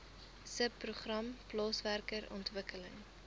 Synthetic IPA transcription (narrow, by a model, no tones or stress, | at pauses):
səpːruχrɐmplɑːsværkəɾɔ̰ntvəkələŋ